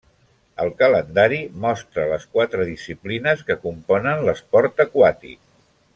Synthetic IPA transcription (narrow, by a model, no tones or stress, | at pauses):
əlˠkələnd̪aɾimɔst̪ɾələskwat̪ɾəðisiplinəskəkumpɔnənləspɔɾt̪əkwat̪ḭk̚